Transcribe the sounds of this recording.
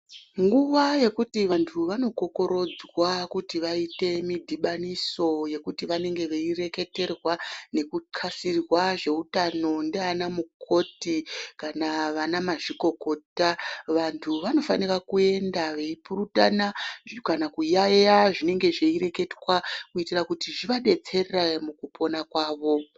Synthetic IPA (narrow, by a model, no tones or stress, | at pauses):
ŋɡuʋaje̞kutiʋantʰuʋano̞ko̞ko̞ɾo̞d͡zwakutiʋaite̞midʱiɓaniso̞je̞kutiʋane̞ŋɡe̞ʋeire̞ke̞te̞rwane̞kukʰasirwaʐe̞utano̞ndeanamukʰo̞tikanaʋanamaʐiko̞ko̞taʋantʰuʋano̞fa̰nirakue̞ndaʋeipuɾutanakanakujajaʐine̞ŋɡe̞ʐeire̞ke̞dwakuitirakutiʐiʋaɗe̞t͡se̞rramukupʰo̞nakwaːʋo̞